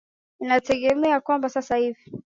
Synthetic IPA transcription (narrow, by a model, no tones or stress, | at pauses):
ninatɛɠɛmɛakwambasasahivi